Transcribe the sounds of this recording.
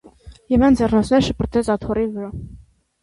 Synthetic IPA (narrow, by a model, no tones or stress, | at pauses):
jɛvɑnd͡zɛrnɑt͡sʰnɛɾʃəpʰəɾt̪ʰɛt͡sɑt̪ʰɔrivəɾɑ